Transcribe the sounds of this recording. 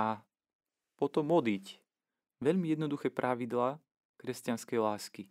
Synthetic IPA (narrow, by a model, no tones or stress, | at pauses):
a | pɔt̪ɔmɔd̪ic | ʋɛʎmijɛd̪nɔd̪uxɛːpɾʔaʋid̪laː | kɾɛscanskɛjlaːski